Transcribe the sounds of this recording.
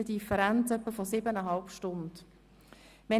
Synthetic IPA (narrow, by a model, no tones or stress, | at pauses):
ədifəɾant͡sœpːəfɔsɪbənəɦɑlpʃtʊnd | ʋɛ